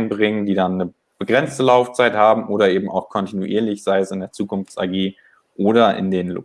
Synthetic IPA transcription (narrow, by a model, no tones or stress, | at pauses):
nbʁɪŋəndiːdanːə | b̥əɡʁɛnt͡stəlaʊft͡saɪthaːbm̩ʔoːɾɐʔeːbm̩ʔa̰ʊxkʰɔntinuʔḭːɐlɪçz̥aɪəsɪndeːɐt͡suːkʊnft͡sa̰ɡeː | ʔoːɾɐʔɪ̰ndeːnlʊ̰